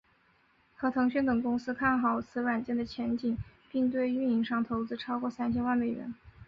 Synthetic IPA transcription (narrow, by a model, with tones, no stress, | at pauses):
xɤ˧˥t̪ʰɤ˧˥ŋɕy˥nt̪ɤ˨˩ŋkʊ˥ŋsɹ̩˥kʰa˥˩nxɑ˨˩ʊt͡sʰɹ̩˧˥wa˨˩nt͡ɕjɛ˥˩nd̪ə˩t͡ɕʰjɛ˧˥nt͡ɕi˨˩˦ŋpi˥˧ŋt̪̬we˥˧ɪy˥˩ni˧˥ŋʂɑ˥˩ŋt̪ʰo˧˥ʊt͡sɹ̩˥ʈ͡ʂʰɑ˥ʊkwɔ˥˩sa˥nt͡ɕʰjɛ˥nwa˥˩nme˨˩ɪɥɛ̰˧˥˦n